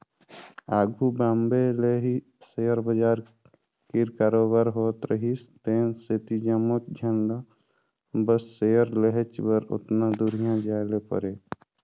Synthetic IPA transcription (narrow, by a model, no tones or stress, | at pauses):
aːɡʱubambeleɦi | sejəɾbəd͡ʒaːɾ | kiɾkaːɾoːbaːɾɦoːt̪ɾəɦist̪enset̪id͡ʒəmot̪̚d͡ʒʱənd̪a | bəsːejəɾleɦet͡ʃbəɾʊ̰t̪nãd̪uɾijãd͡ʒaːlepə̰ɾe